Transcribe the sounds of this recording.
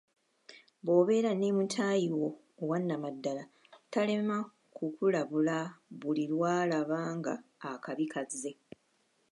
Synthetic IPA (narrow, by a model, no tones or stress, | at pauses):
βo̞ːβe̞ːɾaneːmutʰaːjiwo̞ː | wanːamadːala | tale̞ma | kʰukulaβulaβulilwaːlaβaːŋɡa̰ːkaβikʰazːe̞